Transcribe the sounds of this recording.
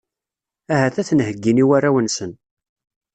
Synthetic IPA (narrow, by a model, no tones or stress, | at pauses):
æɦæθæθənhəɡːiniwærːæwənsən